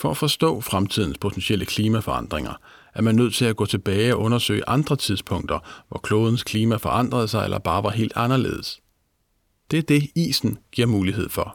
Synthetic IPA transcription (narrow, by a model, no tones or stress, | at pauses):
fɒ̽æfɒ̽sd̥ɔ̰̽ːfʁamt͡sʰið̞̰ˠn̩spʰo̝t͡sʰensiel̰ʔəkʰliːmæfɒ̽ɑ̈n̰d̥ʁeŋɐ | æɐmænːøð̞̰ˠt͡sʰe̝læɡ̥ɔ̰̽ːt͡sʰe̝b̥ɛːɪɒ̽ʔɔ̽nɐsø̰ɪəʔɑ̈nd̥ʁɐt͡sʰiðˠspʰɔ̽ŋ̰d̥ɐʋɒkʰlo̝ːðˠn̩skʰliːmæfɒʔɑ̈n̰d̥ʁɐðˠsɑ̈ɪḛlʔɐb̥ɑ̈ːʋɑ̈ɦe̝̰ːld̥ɑ̈nɐlḛːð̞̩ˠəs | d̥eæɐd̥e̝ḭːsn̩ɡ̥iɐmuːliɦe̝ð̞̰ˠfɒ̽